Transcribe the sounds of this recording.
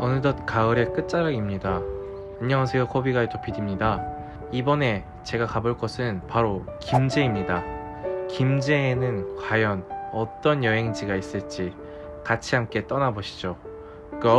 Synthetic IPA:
ʌnɯdʌtkaɯɾe̞k͈ɯt̚t͡ɕ͈aɾaɡimɲida | iɲːʌŋɦasʰejokʰobiɡaetopʰidimɲida | ibʌne̞ | t͡ɕe̞ɡakaboɭk͈ʌsʰɯnpaɾokimd͡ʑe̞imɲida | kimd͡ʑe̞ːnɯnkwajʌnʌt͈ʌnjʌɦe̞ŋd͡ʑiɡais͈ɯɭt͡ɕ͈i | kat͡ɕʰiɦamk͈e̞t͈ʌnaboɕʰi̥d͡ʑo | k͈ɯ

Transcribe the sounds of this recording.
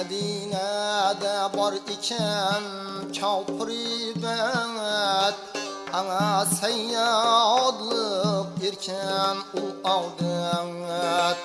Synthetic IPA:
ad̪inad̪abɒɾɪkʲʰan | t͡ʃʰɒwpʰɾibaŋt̪ | aŋasajnaɒd̪lˠɨqeɾkʲʰanʊlɒlˠd̪ɪŋ

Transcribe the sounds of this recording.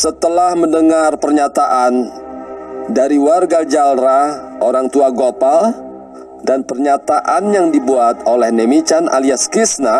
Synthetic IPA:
sət̪əlahməndəŋarpərɲat̪aʔan | daɾiwarɡad͡ʒalɾaoɾaŋt̪uaɡopal | danpərɲat̪aʔanjaŋdibuat̪̚olɛhnemit͡ʃanʔa̰liaskisna

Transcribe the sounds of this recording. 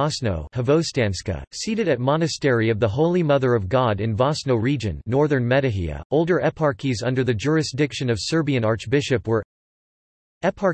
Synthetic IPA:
ɑsnoʊhəvoʊstæ̃nskɨ̰siɾɨɾɨt̚mɑnɨstɛɹiʌvðəɦoʊlˠimʌðə˞ʌvɡɑɾɨ̃nvɑsnoʊɹid͡ʒɨ̃nːɔɹðə̃˞nmɛɾɨɦḭɨ̰oʊlˠdə˞ʔɛpʰɑɹkizʌ̃ndə˞ðɨd͡ʒʊɹɨsd̥ɪkʃɨ̃nʌv̥sɜ˞biɨ̃nɑɹt͡ʃb̥ɪʃɨpwə˞ | ɛpʰɑ

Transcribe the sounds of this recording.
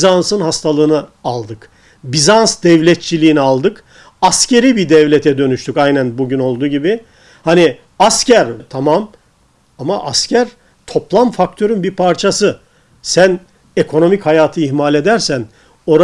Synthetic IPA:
zansɯnhast̪ʰalˠɯːnɯalˠd̪ɯk | bizansd̪ɛvlʲɛt̪̚t͡ʃʰilʲiːnialˠd̪ɯk | ascʰe̞ɾibid̪ɛvlʲet̪ʰɛd̪ø̞nyʃt̪ʰycajnænbuɟyno̞lˠd̪uːɟibɪ | hani | ascʰæɾt̪ʰamam | amaʔascʰæɾ | t̪ʰo̞plˠamfakt̪ʰø̞ɾynbiɾpʰaɾt͡ʃʰasɯ | sæn | ekʰo̞no̞michajaːt̪ʰɯiçmalʲe̞d̪æɾsæn | o̞ɾa

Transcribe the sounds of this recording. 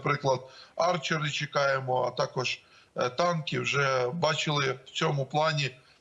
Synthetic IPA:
pɾɪklˠɐd̪ɑrt͡ʃɪɾɪt͡ʃekɑjemɔɐt̪ɑkɔʒ | t̪ɑnkɪwʒɛbɑt͡ʃɪlˠɪwt͡s̪ʲɔmʊplˠɑnʲi

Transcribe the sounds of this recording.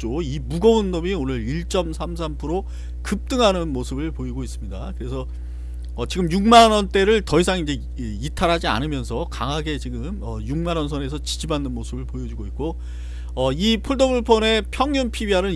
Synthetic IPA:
t͡ɕoimuɡʌundomionɯɾiɭt͡ɕ͈ʌmsʰamsʰampʰuɾo | kɯp̚t͈ɯŋɦanɯnmosʰɯbɯɭpoiɡois͈ɯmɲida̰kɯɾe̞sʰʌ | ʌt͡ɕiɡɯmjuŋmanʌnt͈e̞ɾɯɭtʌisʰaŋind͡ʑe̞ | itʰaɾɦad͡ʑia̰nɯmjʌnsʰʌkaŋɦaɡe̞t͡ɕiɡɯmʌjuŋmanʌnsʰʌne̞sʰʌt͡ɕi̥d͡ʑibanːɯnmosʰɯbɯɭpojʌd͡ʑuɡoit̚k͈o | ʌipʰuɭdobʰuɭpʰʌne̞pʰjʌŋjunpʰibiɦanɯn

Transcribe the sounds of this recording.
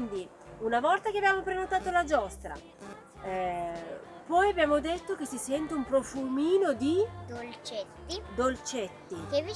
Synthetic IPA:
nd̪i | unavɔlt̪akeabjaːmopɾenot̪aːt̪olad͡ʒɔst̪ɾa̰ | pɔjabjaːmod̪et̪ːok̟esisɛnt̪eumpɾofumiːnod̪id̪olt͡ʃet̪ːid̪olt͡ʃet̪ːikevi

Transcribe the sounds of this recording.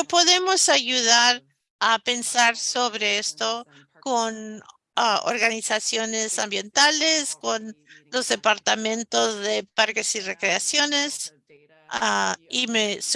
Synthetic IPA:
po̞ðe̞mo̞saʝuðaɾ | ape̞nsaɾso̞β̞ɾe̞e̞st̪o̞ | kon | ao̰ɾɣanisasjo̞ne̞sambje̞nt̪ale̞sko̞nlo̞zðe̞paɾt̪amẽ̞nt̪o̞zðe̞paɾke̞sire̞kɾeasjo̞ne̞s | aimes

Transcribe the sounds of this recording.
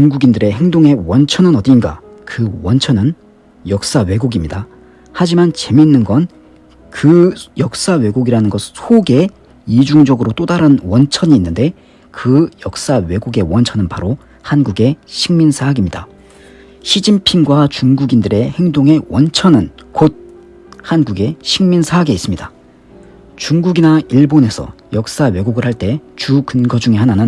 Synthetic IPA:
t͡ɕuŋɡuɡindɯɾe̞he̞ŋdoŋe̞wʌnt͡ɕʰʌnɯnʌdinɡa̰kɯwʌnt͡ɕʰʌnɯn | jʌk̚s͈awe̞ɡuɡimɲida | had͡ʑimant͡ɕe̞minːɯnɡʌn | kɯjʌk̚s͈awe̞ɡuɡiɾanɯnɡʌsʰsʰoɡe̞ | id͡ʑuŋd͡ʑʌɡɯɾot͈odaɾɯnwʌnt͡ɕʰʌɲiːnːɯnde̞ | kɯjʌk̚s͈awe̞ɡuɡe̞wʌnt͡ɕʰʌnɯnpaɾo | hanɡuɡe̞ɕʰiŋminsʰaːɡimɲida̰ | ɕʰid͡ʑimpʰinɡwat͡ɕuŋɡuɡindɯɾe̞he̞ŋdoŋe̞wʌnt͡ɕʰʌnɯnkod̚ | hanɡuɡe̞ɕʰiŋminsʰaːɡe̞is͈ɯmɲida | t͡ɕuŋɡuɡinaiɭbone̞sʰʌ̰jʌk̚s͈awe̞ɡuɡɯɭhaɭt͈e̞t͡ɕukɯnɡʌd͡ʑuŋe̞ɦananɯn

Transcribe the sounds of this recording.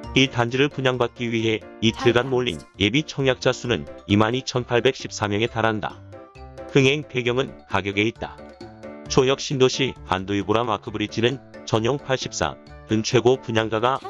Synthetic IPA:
itand͡ʑiɾɯɭpuɲaŋbat̚k͈iɥiɦe̞itʰɯɭɡanmoʎːḭnebit͡ɕʰʌŋjak̚t͡ɕ͈asʰunɯnimanit͡ɕʰʌnpʰaɭbe̞k̚ɕ͈ʰip̚s͈amjʌŋe̞taɾɦanda̰ | hɯŋɦe̞ŋpe̞ɡjʌŋɯnkaɡjʌɡe̞it̚t͈a | t͡ɕʰojʌk̚ɕ͈indoɕʰiha̰ndoiboɾamakʰɯbɯɾit͡ɕʰinɯnt͡ɕʌɲjʌŋpʰaɭɕ͈i̥p̚s͈a̰ | kɯnt͡ɕʰwe̞ɡopuɲaŋɡaɡa

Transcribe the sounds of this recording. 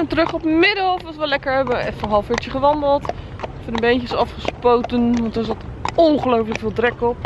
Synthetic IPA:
əntərɵχɔpmɪdəfʋɑtʋəlɛkəɹɛbəɛfənɦɑlˠfɪɹtəχəʋɑndəlˠt | fədəbejnçəsɑfχəspowtənʋɑntdɔnɪsɔtɔnχəlowfələkfɪːlˠtrɛkɔp

